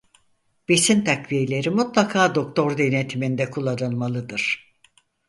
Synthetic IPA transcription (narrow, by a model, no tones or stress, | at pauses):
b̥esint̪ʰakvijelʲe̞ɾimut̪lˠakʰaːd̪o̞k̚t̪ʰo̞ɾd̪enet̪ʰimind̪ɛkʰulˠanɯnˠmalˠɯd̪ɯɾ̥